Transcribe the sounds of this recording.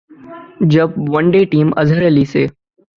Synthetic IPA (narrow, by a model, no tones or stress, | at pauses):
d͡ʒɐb̚ʋɐnɖeːʈiːmɐ̰zəɾeliːseː